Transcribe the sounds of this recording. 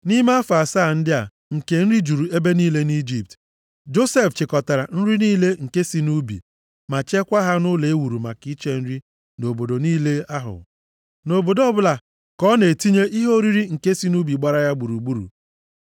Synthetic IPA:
ni˦ma˦a˦fa˨sa˦˨n̩˦dɪ˦a̰˨ | ŋ̩˨ke˨n̩˦ɾi˦d͡ʒu˨ɾu˨e˦be˦niː˦le˦ni˦d͡ʒi˨p̚t | d͡ʒo˦se˦ft͡ʃɪ˨kɔ˨ta˨ɾa˨n̩˦ɾi˦niː˦le˦ŋ̩˨ke˦si˨˦nu˦bḭ˨ | ma˨t͡ʃe˦kʷa˦ɦa˦nʊ˦le˨e˦wu˨ɾu˨ma˨ki˦t͡ʃe˦n̩˦ɾi˦ | no˨bo˨do˨niː˦le˦a˦ɦʊ̰˨ | no˨bo˨dɔ˦bʊ˦la˨ | kɔ˦ne˨ti˦ɲe˦ʔi˦ɦo˦ɾi˦ɾi˦ŋ̩˨ke˦si˨˦nu˦bi˨ɡ͡ba˦ɾa˦ja˦ɡ͡bu˨ɾu˨ɡ͡bu˦ɾṵ˨

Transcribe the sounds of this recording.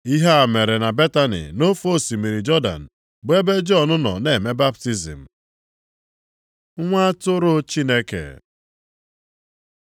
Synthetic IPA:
i˦ɦa˦a˨me˨ɾe˨na˨be˦ta˦nḭ˨no˦fo˦˨si˨mi˨ɾi˨d͡ʒɔ˦da̰˨n̩˨ | be˦be˦d͡ʒɔ˦˨nʊ˦nɔ̰˨ne˨me˦ba˦p̚ti˦zḭ˨m̩˨˦ | ŋʷa˦tʊ˦ɾʊ˦t͡ʃi˦ne˦kḛ˨

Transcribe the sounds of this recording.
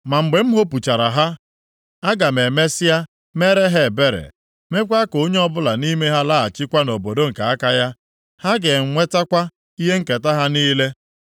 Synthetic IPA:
ma˨ŋ͡m̩˨ɡ͡be˨m̩˦ɦo˦pu˨t͡ʃa˨ɾa˨ɦa˦ | a˦ɡa˨me˨me˦sɪ˦a˦ | me˦ɾe˦ɦe˦˨be˦ɾḛ˨ | me˦kʷa˦ko˨o˦ɲe˦ɔ˦bʊ˦la˨ni˦me˦ɦa˦la˦a˨t͡ʃɪ˦kʷa˦no˨bo˨do˦ŋ̩˨ka˨a˦ka˦ja˦ | ha˦ɡe˨ŋ̩˨ŋʷe˦ta˦kʷa˦ | i˦ɦe˦ŋ̩˦ke˨ta˦ɦa˦niː˦le˦

